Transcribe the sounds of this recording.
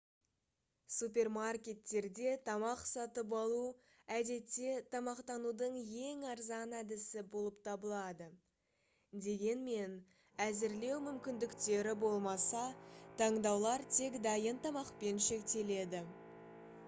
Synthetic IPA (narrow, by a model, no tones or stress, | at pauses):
sup̬ʲe̞rmarkʲe̞t̪ːe̞ɾd̪e̞t̪ʰɑmɑqsɑt̪əp̬ɑlˠu | æd̪e̞t̪ːe̞t̪ʰɑmɑqt̪ɑnud̪əɴje̞ŋɑɾzɑnæd̪ɪsɪbo̞lˠəpt̪ʰɑbəlˠɑd̪ə | d̪e̞ɡʲe̞nme̞n | æzɪɾle̞wmʏmkʲɪnd̪ɪkt̪e̞ɾɪbo̞lˠmɑsɑt̪ʰɑɴd̪ɑwlˠɑɾt̪ʰe̞kd̪ɑjənt̪ʰɑmɑqpe̞nʃe̞kt̪e̞le̞d̪ɪ